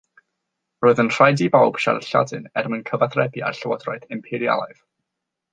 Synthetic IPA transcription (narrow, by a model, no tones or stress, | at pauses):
roːɨðənr̥ajdibawb̥ʃa̰rɬa̰dɨnɛrmənkʰəvaθrɛbia̰rɬəwɔdrɔɨdɪmpʰɪɾia̰lˠaɨv̥